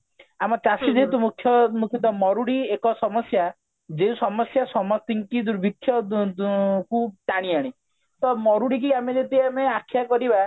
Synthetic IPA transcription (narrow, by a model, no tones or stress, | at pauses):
amɔt͡ʃasid̪ʱet̪umukʰjɔmukʰjɔt̪ɔmɔɾuɽiekɔsɔmɔsja | d͡ʒeũsɔmɔsjasɔmɔt̪iŋkid̪uɾbikʰːjɔ | kuʈaɽ̃iaɽ̃i | t̪ɔmɔɾuɽik̬iamed͡ʒet̪iameakʰːjakɔɾiba